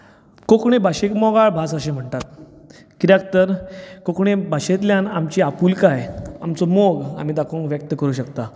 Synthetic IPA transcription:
kokɳ̃ebʱaɕekmɔɡaɭbʱasəɕẽm̤əɳt̪at̪̚ | kiɾjak̚t̪əɾkokɳ̃ebʱaɕet̪ljanamt͡ɕiapuːlkajamt͡sɔmoɡa̰m̤id̪akʰõŋkʋjək̚t̪əkəɾuːɕəkt̪a

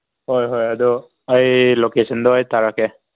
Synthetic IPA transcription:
hɔjɦɔjadɔ | ajlokesɔndɔajt̪aɹakɛ

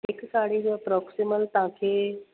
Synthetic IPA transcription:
eksaɽid͡ʑəpɾɔksiməlt̪ãkʰeː

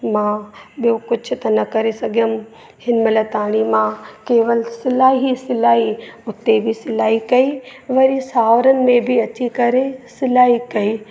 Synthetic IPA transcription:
mãɓijõkʊt͡ʃʰʊt̪ɐnɐkɐɾesɐɡʱjəm | hɪnmɐlɐt̪aːɽ̃imãkeːʋəlsɪlaːɦisɪlaːiʊt̪ːebʱisɪlaːɦikɐiʋɐɾisaːʋɾənɪ̆mẽbʱiɐt͡ʃikɐɾesɪlaːɦikɐiː

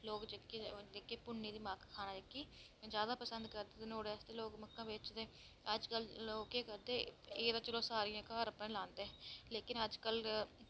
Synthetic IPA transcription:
loːkd͡ʒəkːed̪ekːeːpʊɳːiːd̪iːmãːkkʰːaːnaːd͡ʒəkːiː | zjaːd̪aːpəsə̃nd̪kəɾd̪eːenoːɽest̪eːloːɡməkːãːbeːt͡ʃd̪eː | əd͡ʒkəlloːkeːkəɾd̪eːeːd̪aːt͡ʃəlõːsaːɾijãːkaːɾəpẽːlãːnd̪eɛːleːkɪnəd͡ʒkəl

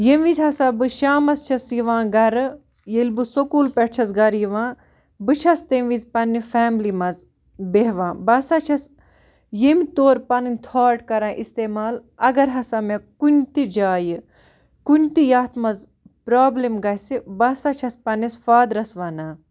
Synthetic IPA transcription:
jeʋizʲɦɐsaːbɨʃaːmɐst͡ʃʰɐsjiʋãːɡɐɾɨ | jelbɨsokuːlpɐʈ̚t͡ʃʰɐzɡɐɾjiʋãː | bɨt͡ʃʰɐst̪eʋizpɐnːifɛːmlimɐz | beɦʋãːbɐsat͡ʃʰɐs | jemit̪oːɾpɐnɨnʲt̪ʰaːʈkɐɾãːʔist̪eːmaːlɐɡɐɾɦɐsamekunʲt̪id͡ʒaːjɨ | kunt̪ijaːt̪ʰmɐz | pɾaːblimɡɐɦsibɐsat͡ʃʰɐspɐnisfaːd̪ɾɐsʋanaː

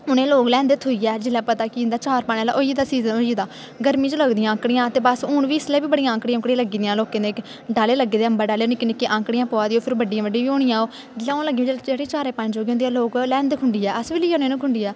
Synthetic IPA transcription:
ʊnẽːloːklɛ̃ːnd̪et̪ʰoiːɛːd͡ʒɪlːɛːpət̪aːkɪnd̪aːt͡ʃaːɾpaːɳeːlaːʔoːiːd̪aːsiːzənoːiːd̪aː | ɡəɾmĩd͡ʒələɡd̪ɪjãːə̃kɽɪjãːt̪eːbəsʊːɳʋiːɪslɛːʋiːbəɽijãːkɽijãʊkɽaləɡiːd̪ijãːloːkẽːneːk | ɖaːleːləɡːeːd̪eːəmbaːɖaːleːnɪkːɪnɪkːeːʔãːkɽɪjãːpoːaːd̪iːoːpʰɪɾbəɖːɪjãːʋəɖĩːʋiːoːɽɪjãːoː | d͡ʒɪlɛ̃ːləɡiːãːd͡ʒd͡ʒeːɽiːt͡ʃaːɾeːpãnd͡ʒoːɡiːõnd̪iːɛːloːklɛ̃ːnd̪kʰʊɳɖiːɛːʔəsbiːliːaːneːnũːkʰʊɳɖiːɛː

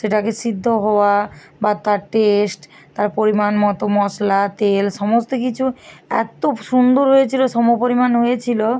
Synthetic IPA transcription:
ʃeʈakeʃid̪ʱːoɦɔoa | bat̪aɾʈesʈ | t̪aɾpoɾimanmɔt̪omɔslat̪elʃɔmost̪okit͡ɕʰuɛ̰t̪oʃund̪oɾɦojet͡ɕʰiloʃɔmopoɾimanɦojet͡ɕʰilo

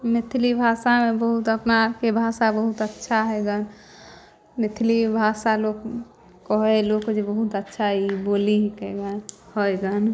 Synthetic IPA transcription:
mɪt̪ʰlibʱasamebəɦut̪əpnakebʱasabəɦut̪ətːʃʰaɦɛɡən | mɪt̪ʰlibʱasalokː | ɔɦelokd͡ʒebəɦut̪ətːʃʰaɦiboliɦkɛɡanhəjɡən

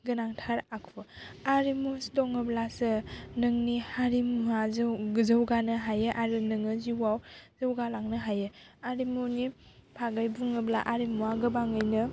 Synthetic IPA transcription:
ɡɯnaŋtʰaɾakʰɔaɾimusdɔŋɯblasɯnɯŋnihaɾimuazzəwɡanɯɦajɯʔaɾɯnɯŋɯziwawzəwɡalaŋnɯɦajɯ | aɾimunipʰaɡajbuŋɯbla̰ʔaɾimuaɡɯbaŋɯjnɯ

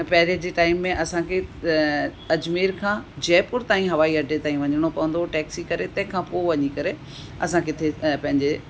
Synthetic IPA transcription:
pɛɦɪɾed͡ʑeːʈaːɪmːẽʔɐsãkʰe | ɐd͡ʑmeːɾkʰãːd͡ʑɛːpʊɾt̪aːĩɦɐʋaːiɐɖʱet̪aːĩʋɐɲəɽ̃opɐʋə̃n̆d̪oʈɛːksikɐɾet̪ɐ̃ɦɪ̃kʰãpoːʋɐɲikɐɾe | ɐsãkʰet̪ʰepɐ̃ɦɪ̃ɲd͡ʑe

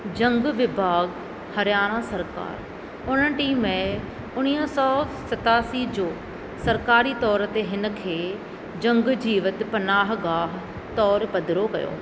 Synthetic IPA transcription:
d͡ʑɐ̃ŋɡʋɪbʱaːɡ | hɐɾjaːɽ̃ãsɐɾka̰ːɾ | ʊn̤ənɪʈiːmːẽ | ʊɽ̃iːsɔːsɐt̪aːsid͡ʑoː | sɐɾkaːɾit̪ɔːɾt̪eɦɪnə̆kʰeː | d͡ʑɐ̃ŋɡd͡ʑiːʋət̪pɐnaːɦɡaːɦ | t̪ɔːɾpɐd̪ʱɪɾokɐ̰jo̰ː

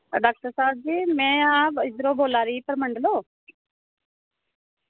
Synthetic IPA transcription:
ɖaːk̚ʈəɾsaːb̚d͡ʒiːmɛ̃ːaːpɪd̪ɾoːboːlaːɾiːpəɾməɳɖəloː

